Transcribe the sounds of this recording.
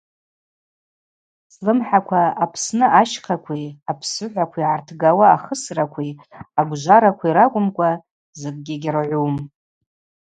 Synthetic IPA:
slɨmħakʷʰaːpʰsnɨʔaʃqʰakʷʰiapʰsɨħʷakʷʰiiʕartʰɡawaːχəsrakʷʰiaɡʷʒʷaɾakʷʰiiɾakʷʼʊmkʷʼa | zɨk̚ʼɡʲɪɡʲɪrʕʷum

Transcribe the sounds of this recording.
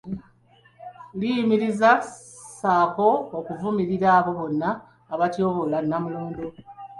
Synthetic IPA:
lijimiɾiza | saːko̞ːkuvumiɾiɾaːβo̞βo̞nːaː | βatjo̞ːβolanːamuloːndo

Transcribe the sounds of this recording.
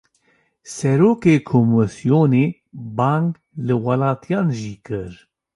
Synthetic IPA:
sɛɾoːkekʰomɨsijoneː | bɑŋɡ | lɨwɑlɑːt̪ʰijɑːnʒiːkɨɾ

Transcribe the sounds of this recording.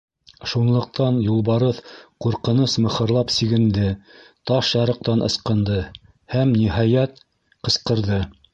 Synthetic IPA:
ʃunlˠɤ̆q̚t̪ɑnjulˠβɑɾɤðquɾqɤ̆nɤsmɤ̆χɤ̆ɾlˠɑpsiɡɘ̆nd̪ɘt̪ɑʃjɑɾɤ̆q̚t̪ɑnʔɤ̰̆sqɤ̆nd̪ɤ | hæmniɦɑjæt̪ | qɤ̆sqɤ̆ɾðɤ

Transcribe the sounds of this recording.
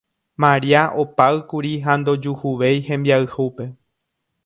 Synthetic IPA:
mãɾiaʔopaɨkuɾiɦand̪o̞d͡ʒuhuʋe̞jhẽ̞mbiaɨhupe̞

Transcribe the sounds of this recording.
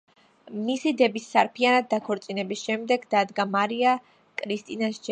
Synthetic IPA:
misid̪ɛbisːaɾpʰianad̪̚ːakʰɔɾt̪sʼinɛbisʃɛmd̪ɛɡd̪ad̪ɡamaɾia | kʼɾist̪ʼinasd͡ʒɛ

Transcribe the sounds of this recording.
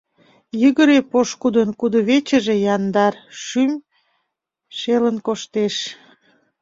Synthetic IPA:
jəɣəɾepoʃkud̪ənkud̪oβet͡ɕəʒejɑnd̪ɑrʃym | ʃelənkoʃt̪eʃ

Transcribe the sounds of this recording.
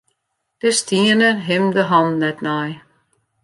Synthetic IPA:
d̥əstiənəɦɪmdəɦɔnːɛtnaj

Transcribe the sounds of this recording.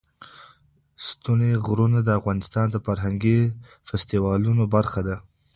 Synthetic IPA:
st̪uneɣɾunad̪əafɣɑnɪst̪ɑnd̪əfaɾɦaŋɡi | fɪst̪iwɑlunobaɾxad̪a

